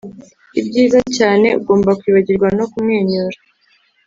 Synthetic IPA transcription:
ibɟiːzacaːne̞ṵɡo̞ːmbakwiːβaɟiɾɡwano̞kumŋeːɲoɾa

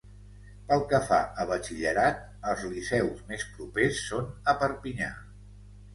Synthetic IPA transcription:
pəlˠkəfa̰əβ̞ət͡ʃiʎəɾat̪̚ | əlˠzlisɛwzmespɾupesːonəpəɾpiɲa̰

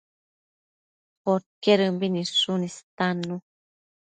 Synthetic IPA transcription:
xoɾkeɾɨmbiniʂunist̪anu

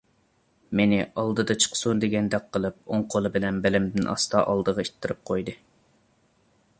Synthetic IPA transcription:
menɪʔɑlˠd̪ɨd̪ɑt͡ʃʰə̥qsund̪eɡʲɛnd̪ɛk̚ʲqːəlˠɨp̚oŋqʰolˠɨbɪlɛnbɪlɪmd̪ɪnʔɑ̰st̪ɑʔɑlˠd̪əʁɑit̪ʰːɨɾɨp̚qʰojd̪ɨ

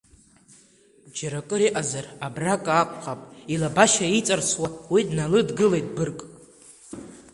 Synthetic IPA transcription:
d͡ʒaɾakʼɨɾiʔazarabrakʼakʷʼqʼapʼilabaʃait͡sʼarsʰwawidnalɨdɡɨlejtʼbɨrkʼ

